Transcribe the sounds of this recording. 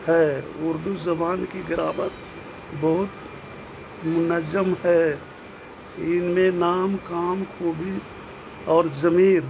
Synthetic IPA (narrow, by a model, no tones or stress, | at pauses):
hɛʊɾd̪uzəbaːnkiɡɪɾaːmət̪ | bəɦʊt̪ | mʊnəzəmhɛ | ɪnmẽnaːmkaːmkʰoːbʱi | ɔːɾzəmiːɾ